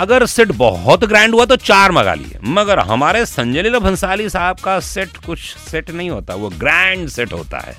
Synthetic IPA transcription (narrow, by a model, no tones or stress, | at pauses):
ɐɡəɾsɪʈbɔɦɔt̪ɡɾɛ̃ːɳɖɦuat̪̬ot͡ʃaːɾmɐɡa̰ːlḭḛmɐɡəɾɦɐ̰maːɾesɐ̃ɲd͡ʒəliɾɐbʱɐ̃nsaːlisaːb̚kasɛʈkʊt͡ʃʰsɛʈnɐɦĩɦoːt̪aɦɛʋoɡɾɛ̃ːɳɖsɛʈɦo̰ːt̪a̰ɦɛ̰ː